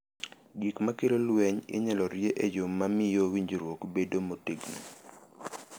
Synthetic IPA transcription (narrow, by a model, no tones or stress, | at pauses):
ɡikmakelolwɛɲɪ̰ɲɛlɔɾjeʔed͡ʒomːamɪjowiɲd͡ʒiɾwokbedomotiɡnḭ